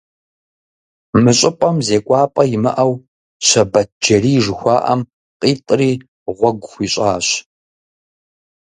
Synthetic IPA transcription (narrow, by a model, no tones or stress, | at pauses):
mɨɕʼɪpʼɐmzeːkʷʼɑːpʼɐjɪmɨ̰ʔɐw | ɕʷɐbɐt̚d͡ʒɐriːʒxʷɑ̰ːʔɐ̰m | qʼiːtʼriː | ʁʷɔɡʷxʷiːɕʼaːɕ